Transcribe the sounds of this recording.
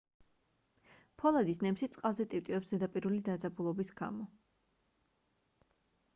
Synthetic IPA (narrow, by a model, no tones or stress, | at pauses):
pʰɔlˠad̪isnɛmsit̪sʼqʼalˠzɛt̪ʼip̚t̪ʼiɛpszɛd̪apʼiɾulid̪ad̪zabulˠɔbisɡa̰mɔ